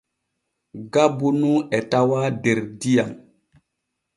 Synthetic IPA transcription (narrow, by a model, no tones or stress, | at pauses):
ɡabunuɛtawadeɾdijam